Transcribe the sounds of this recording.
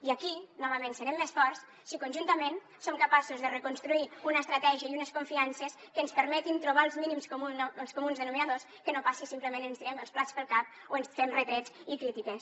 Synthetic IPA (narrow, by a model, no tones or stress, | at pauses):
iakinɔβəmensəɾɛmːesfɔɾs | sikunʲʒunt̪əmen | somkapasuzðərəkunst̪ɾuiunəest̪ɾat̪ɛʒiəiunəskuɱfiansəskəːnspəɾmɛt̪int̪ɾuβaəlˠzminimskomuəlˠskomunzðənuminaðoskənopasisimpləmenənst̪iɾɛməlˠsplat͡spəlˠkap̚ | oensfemret̪ɾet͡sikɾit̪ikes